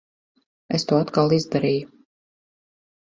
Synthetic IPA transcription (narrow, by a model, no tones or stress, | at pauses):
est̪uːat̪kalˠizd̪aɾiːju